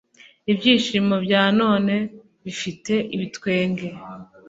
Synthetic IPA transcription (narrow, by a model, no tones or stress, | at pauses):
ibjiːʃimobjaːno̞ːne̞ | βifite̞ʔiβitwe̞ːŋɡe̞